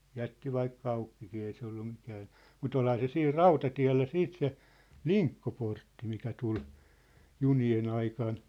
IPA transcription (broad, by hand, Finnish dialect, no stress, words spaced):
jætːi ʋɑikːɑ ɑukːikiː ei se olːu mikæːn̞ mut olhɑ se siːr rɑutɑtiæ̝lːæ siːt se liŋkːoportːi mikæ tul junien ɑikɑn